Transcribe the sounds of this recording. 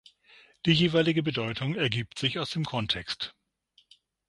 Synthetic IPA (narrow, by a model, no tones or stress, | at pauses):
d̥iːjeːvaɪlɪɡəbədɔʏtʰʊŋɛɐɡiːp̚tz̥ɪçaʊsd̥eːmkʰɔntʰɛkst